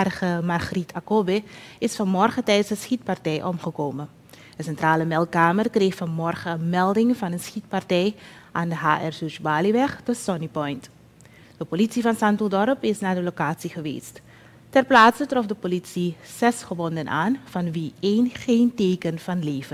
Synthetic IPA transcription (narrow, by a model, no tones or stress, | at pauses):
rχəmɑrχritʰakobeɪsfɑnmɔrχətɛjtsəsxit̚partɛjʔɔmχəkoːmə | d̥əsɛntraːləmɛlˠkaːmərkreːxfɑnmɔrχəənmɛlˠdɪŋvɑnənsχit̚pɑrtɛj | ʔaːndəɦa̰ːʔɛrsysbaːliʋɛχdəsɔnipɔjnt | d̥əpolitsivɑnsɑntuldɔɾəpɪsnaːdəlokaːtsiχəʋḛːst | tɛrplaːtsətrɔfdəpolitsiz̥ɛsχəʋɔndənʔa̰ːnvɑnʋieːnχeːnteːkənvɑnleːvə